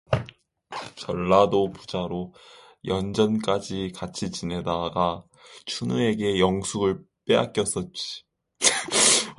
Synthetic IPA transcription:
t͡ɕʌɭːadopud͡ʑaɾo | jʌnd͡ʑʌnk͈ad͡ʑikat͡ɕʰit͡ɕine̞daɡa | t͡ɕʰunue̞ɡe̞jʌŋsʰuɡɯɭp͈ea̰k͈jʌs͈ʌt̚t͡ɕ͈i̥

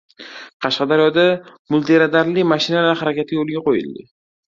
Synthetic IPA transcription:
qʰɑʃqɑd̪aɾjɒd̪amʊlˠt̪ʰeɾad̪aɾlɪmaʃɪnalaɾhaɾakʲat̪ʰɪɡjolˠɪɡʲaqojɪ̰lˠd̪ɪ̰

